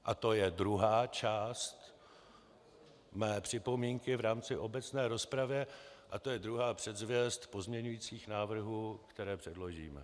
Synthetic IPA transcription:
ʔat̪o̞jɛdɾuɦaːt͡ʃaːst̪ | mɛːpr̝̥ɪpo̞miːŋkɪvɾaːmt͡sɪʔo̞bɛt͡snɛːɾo̞spɾavjɛʔat̪o̞jɛd̪ɾuɦaːpr̝̥ɛd̪zvjɛst̪po̞zmɲɛɲujiːt͡siːxnaːvr̩ɦuːkt̪ɛɾɛːpr̥ɛdlo̞ʒḭːmɛ̰

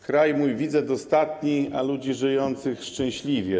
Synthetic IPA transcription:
kɾajmujvʲid̪zɛd̪ɔst̪at̪ɲialud͡ʑiʐɘjɔnt̪sɘxʂt͡ʂɛ̃w̃ɕlʲivʲjɛ

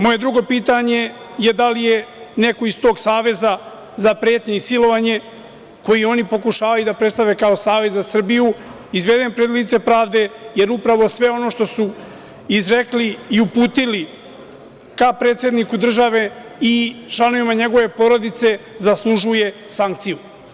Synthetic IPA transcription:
mo̞je̞d̪ɾuɡo̞piːt̪aɲe̞ | je̞d̪alije̞ne̞koist̪o̞ːɡsaːʋe̞za | zapɾeːt̪ɲeisilo̞ʋaɲe̞ | ko̞jio̞nipo̞kuʃaːʋajud̪apɾet̪st̪aʋe̞kao̞saːʋe̞zzasr̩biju | izʋe̞d̪empɾed̪lit̪se̞pɾaːʋd̪e̞je̞ɾupɾaʋo̞sʋe̞o̞no̞ːʃt̪o̞su | izɾekliiupuːt̪ili | kapɾet̪sʲje̞d̪nikud̪r̩ʒaʋe̞ | it͡ʃlˠano̞ʋimaɲe̞ɡo̞ʋe̞po̞ɾo̞d̪it̪se̞zaslˠuʒuje̞saŋk̚t̪siju

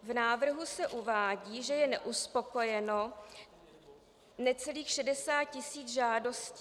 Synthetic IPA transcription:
vnaːvr̩ɦusɛʔuvaːɟiːʒɛjɛnɛʔuspo̞ko̞jɛno | nɛt͡sɛliːxʃɛdɛsaːt̚cɪsiːd͡zʒaːdo̞sciː

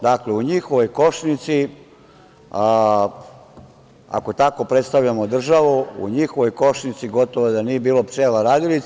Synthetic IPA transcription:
d̪akleuɲixo̞ʋo̞jkoʃnit̪si | a̰ko̞t̪ako̞pɾet̪st̪aʋʎamo̞d̪r̩ʒaʋuṵɲixoʋo̞jkoʃnit̪siɡo̞t̪oʋod̪anije̞biːlo̞pt͡ʃeːlaɾaːd̪ilit̪

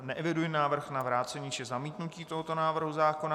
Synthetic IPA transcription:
nɛʔɛvɪdujɪnaːvr̩xnavɾaːt͡sɛɲit͡ʃɪzamiːt̪nuciːt̪oɦot̪o̞naːvr̩ɦuzaːkona

